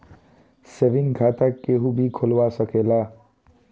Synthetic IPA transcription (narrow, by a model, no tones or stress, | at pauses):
seːʋɪ̃ŋkʰaːt̪akːeɦubʱikʰʊlwasɐkeːlaː